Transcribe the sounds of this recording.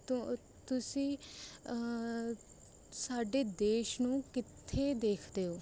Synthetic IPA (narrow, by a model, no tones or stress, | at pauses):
t̪ʊsĩː | saːɖeːd̪eːʃnũːkɪt̪ʰːeːd̪eːkʰd̪eːoː